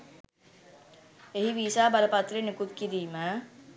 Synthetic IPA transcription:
eɦiʋiːsaːbaləpat̪renekut̪kiɾiːmə

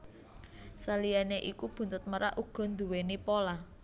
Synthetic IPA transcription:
salijaneʔikub̥ṳnt̪ʊt̪̚məɾa̰ʔuɡ̥ɔ̤nd̪uwenipola

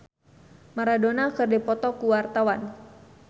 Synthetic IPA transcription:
maɾadonakɨrdɛpɔt̪ɔkuwart̪awan

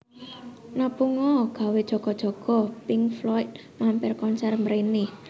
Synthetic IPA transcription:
napuŋɔɡ̥ä̤wed̥ʒ̥ɔ̤ɡ̥ɔ̤d̥ʒ̥ɔ̤ɡ̥ɔ̤pɪŋflɔit̪̚ | mampɪrkɔnsɛrməɾenɪ

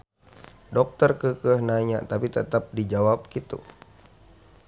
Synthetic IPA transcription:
dɔk̚t̪ərkəkəhnaɲa̰t̪apit̪ət̪ap̚did͡ʒawap̚kit̪ṵ

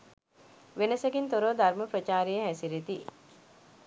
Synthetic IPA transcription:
ʋenɐsɐɡint̪oɾoːd̪ɐɾməpɾɐt͡ʃaːɾejeɦæsiɾet̪i

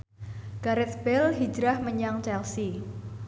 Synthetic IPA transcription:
ɡ̥aɾɛt̪sbɛlɦid͡ʒɾahməɲaŋt͡ʃɛlsi

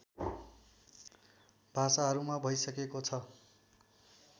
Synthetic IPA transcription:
bʱasaɦʌɾumabʱʌjsʌkekot͡sʰʌ

